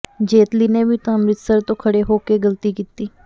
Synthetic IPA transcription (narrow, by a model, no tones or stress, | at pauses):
d͡ʒeːt̪liːnẽːbiːt̪ãːmɾɪt̪səɾt̪õːkʰəɽeːɦoːkeːɡəlt̪iːkiːt̪iː